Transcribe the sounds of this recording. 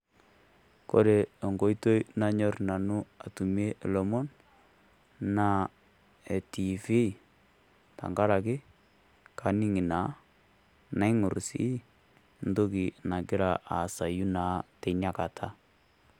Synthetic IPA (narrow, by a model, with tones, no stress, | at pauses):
ko̰˦ɾe˨ɔ˨ŋɡo˦i˦to˦i˦na˦ɲɔ˦rna˨nu˦a˨tu˨m˦e˦ʔlɔ˨mɔ˦n | na˦ | e˨ti˨fi˦˨ | ta̰˨ŋɡa˦ɾa˨kɪ˦ | kʰa˨ni˦ŋi˨na˨˦ | na˦i˦ŋu˨ɾsḭ˦ | n̩do˦ki˨na˨ɡɪ˦ɾa˨ʔa̰˨sa˨ju˦na˨˦te˨na˨ka˨tʰa˦